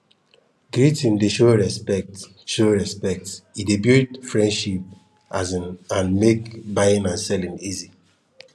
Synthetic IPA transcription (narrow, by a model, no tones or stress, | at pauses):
ɡɹitĩndeʃoɹɛspɛk̚t | ʃoɹɛspɛk̚tidebitfɹɛ̃ndʃip̚ | azĩnãnmekbaɪĩnãnsɛlĩnizi